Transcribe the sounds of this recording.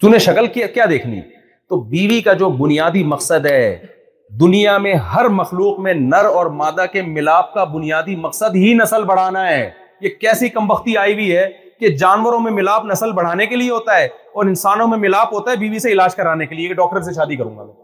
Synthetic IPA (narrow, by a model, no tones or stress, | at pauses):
t̪uneʃɐkəlkakjaːd̪eːkʰnḭ | t̪oːbiːʋikad͡ʒoːbʊnijaːd̪imɐqsəd̪ɦɛː | d̪ʊnijamẽɦɐɾmɐxluːqmẽnɐɾɔːɾmaːd̪akemɪlaːp̚kabʊnijaːd̪imɐqsəd̪ɦinɐsəlbɐɽ̤aːnaɦɛː | jekɛːsikɐ̃mbɐxt̪iaːibiɦɛ | ked͡ʒaːnʋəɾõmẽmɪlaːpnɐsəlbɐɽ̤aːnekelieɦoːt̪aɦɛːɔːɾɪ̃nsaːnõmẽmɪlaːpɦoːt̪aɦɛbiːʋiseɪlaːd͡ʒkɐɾaːnekeliekeɖɔːk̚ʈəɾs̬eʃaːd̪ikɐɾũːŋɡa̰mɛː